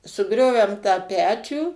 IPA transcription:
sʊˈɡrʲoːʋʲɛm tɑː ˈpʲæːt͡ʃʲuː

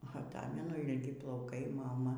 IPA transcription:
ɐˈtɑːmʲɛnʊ ɪlʲˈɡʲɪ plˠɐʊˈkɐɪ ˈmɑːmɐ

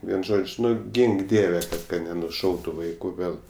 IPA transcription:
ˈʋʲiɛn ˈʒoːt͡ʃʲ ˈnʊ ˈɡʲɪŋk ˈdʲiɛʋʲɛ kɐ nʲɛnʊˈʃɐʊtʊ ˈʋɐɪkʊ ˈɡɐlˠ

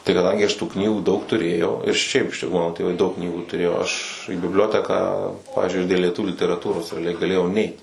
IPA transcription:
tɐɪ kɐˈdɐŋʲɡʲɪ ˈɐʃ tuː ˈknʲiːɡuː dɐʊk tʊˈrʲeːjɛʊ ɪr ˈʃʲɛɪp ˈmɑːnoː tʲeːˈʋɐɪ jɛʊ dɐʊk ˈknʲiːɡuː tʊˈrʲeːjoː ɐʃ iː bʲɪbʲˈlʲoːtʲɛkɑː ˈpɑːʋʲiːzʲd͡ʒʲʊɪ ɐʃ dʲeːlˠ lʲiɛˈtʊʋʲuː lʲɪtʲɛrɐˈtuːroːs rʲɛɐˈlʲɛɪ ɡɐˈlʲeːjɛʊ ˈnʲɛɪt

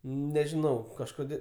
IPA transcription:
nʲɛʒʲɪˈnɐʊ kɐʃˈkoːdʲeː

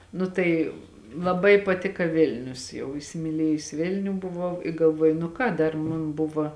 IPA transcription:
ˈnʊ tɐɪ lˠɐˈbɐɪ pɐˈtʲɪkɐ ˈʋʲɪlʲnʲʊs jɛʊ ɪsʲɪmʲɪˈlʲeːjʊs ˈʋʲɪlʲnʲʊ bʊˈʋɐʊ ɪ ɡɐlˠˈʋuɔjʊ nʊ ˈkɑː ˈdɐr ˈmʊn ˈbʊʋɐ

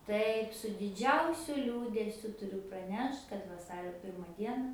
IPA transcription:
ˈtɐɪp sʊ dʲɪˈd͡ʒʲɛʊsʲʊ ˈlʲuːdʲɛsʲʊ tʊˈrʲʊ prɐˈnʲɛʃt kɐt ʋɐˈsɑːrʲoː ˈpʲɪrmɐ ˈdʲiɛnɐ

